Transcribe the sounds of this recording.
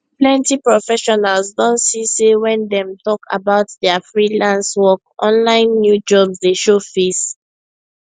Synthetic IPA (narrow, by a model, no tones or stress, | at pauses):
plɛ̃ntipɹɔfɛʃɔnalsdɔ̃ntsisewɛ̃ndɛ̃mtɔkʰa̰baʊtdɛafɹilãnswɔk̚ʔɔ̃nlãɪ̃nːjud͡ʒɔbsdeʃofes